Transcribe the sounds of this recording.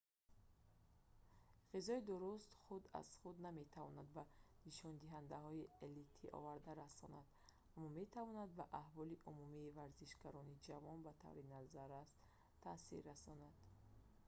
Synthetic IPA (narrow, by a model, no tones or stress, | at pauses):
ʁizɔid̪uɾust̪χud̪a̰z̥χud̪name̞t̪ʰavɔnad̪baniʃɔnd̪iɦand̪aɦɔielit̪ʰiʔɔ̰vaɾd̪aɾasɔnad̪̥ | amːɔme̞t̪ʰavɔnad̪̚baʔahvɔliʔumumiːvaɾziʃɡaɾɔnid͡ʒavɔnbat̪ʰa̰vɾinazaɾast̪ | t̪ʰːasḭɾɾasɔnad̪̥